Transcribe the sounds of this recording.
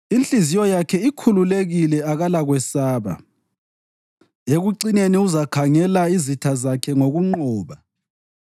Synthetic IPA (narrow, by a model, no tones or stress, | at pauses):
int͡ɬʼizijɔjakʰɛikʰululeɣilɛaɣalaɣwɛsaːβa̰ | eɣuǀineniuzakʰaŋɛlaizitʰazakʰɛŋoɣuŋ͡ǃɔːβa